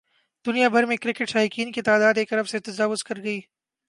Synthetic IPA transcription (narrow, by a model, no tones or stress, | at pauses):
d̪ʊnijabʱɐɾmẽkɾɪkɪʈʃaːjkiːnkit̪aːd̪aːd̪eːkɐɾɐbset̪ɐzaːʋʊzkɐɾɡɐiː